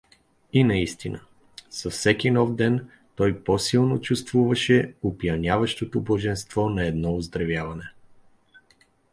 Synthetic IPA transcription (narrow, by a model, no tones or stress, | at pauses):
inɐist̪inə | sɐfsɛkʲinɔvd̪ɛn | t̪ɔjpɔsilˠnot͡ʃust̪vuvɐʃɛopjɐnʲavɐʃt̪ot̪oboʒɛnst̪vɔnɐɛd̪nɔʊzd̪ɾɐvjavɐnɛ